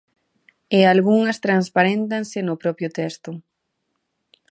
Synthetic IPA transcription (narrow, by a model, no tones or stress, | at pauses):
ealɣuŋɐst̪ɾanspaɾent̪ansɪnʊpɾɔpjʊt̪ɛst̪ʊ